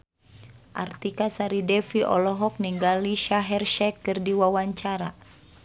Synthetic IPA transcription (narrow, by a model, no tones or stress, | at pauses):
ʔa̰rt̪ikasaɾidɛfiʔɔ̰lɔɦɔk̚niŋɡaliʃaɦɛrʃɛkːɨrdiwawaɲt͡ʃaɾa